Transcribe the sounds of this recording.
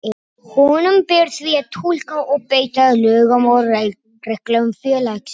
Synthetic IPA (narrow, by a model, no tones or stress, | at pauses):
hɔnʏmpɪɾθviat̪ʰul̥kaɔpejt̪aðlœːɣamɔwɾaj | rɛhklœɣʏmfjœːlaks